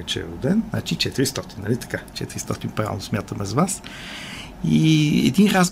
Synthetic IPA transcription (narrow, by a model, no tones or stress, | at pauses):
ɛt͡ʃɛ̰ɛ̰ɾʊd̪ɛnna̰t͡ʃit͡ʃɛt̪iɾist̪ɔt̪innəlit̪ɐ̥kat͡ʃɛ̰t̪iɾist̪ɔt̪inpɾavʲɛ̰lnʊsmʲjat̪əmɛzvas | iɛ̰d̪inɾaz